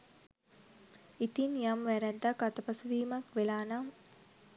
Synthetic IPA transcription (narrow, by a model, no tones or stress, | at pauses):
it̪injamʋæɾæd̪ːɐkat̪ɐpɐsuʋiːmɐkʋelaːnam